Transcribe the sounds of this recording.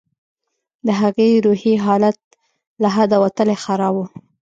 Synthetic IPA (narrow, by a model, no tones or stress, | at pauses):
d̪əɦaɣeɾuhiɦɑlat̪̚ | laɦad̪awat̪əlexaɾɑbu